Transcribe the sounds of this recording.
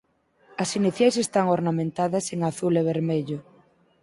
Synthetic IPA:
ɐsiniθjajsest̪aŋoɾnamẽnt̪aðɐseŋaθuleβ̞eɾmeʎʊ

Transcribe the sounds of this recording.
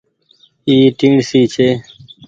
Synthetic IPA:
iːʈĩːɳɖsiːt͡ɕʰeː

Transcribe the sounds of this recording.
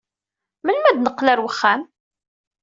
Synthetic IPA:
məlmæd̪nəqːlæɾwəχːæn

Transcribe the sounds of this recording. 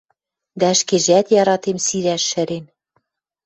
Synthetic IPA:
d̪æə̆ʃkeʒæt̪jɑɾɑt̪emsiɾæʃːɘ̆ɾen

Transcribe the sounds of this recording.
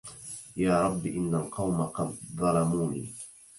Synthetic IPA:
jaːɾˤɑbːʔɪnːalqɑwmaqɑd̪ðˤɑlɑmuːnḭː

